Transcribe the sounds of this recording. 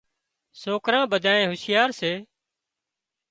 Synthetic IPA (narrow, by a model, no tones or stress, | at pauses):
soːkɾãːɓəd̪ʱãːẽːɦʊsjaːɾseː